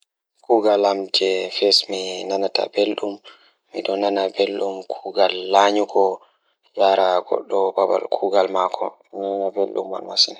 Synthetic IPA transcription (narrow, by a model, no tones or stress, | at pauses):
kuɡalamd͡ʒɛfɛsminanata̰belɗumː | iɗɔnanabelɗumkʰuɡalːaɲuɡɔ | jaɾaɡɔ̰ɗːɔbaba̰lkʰuɡalmakʰɔ̰minanabelɗṵmːa̰lmasina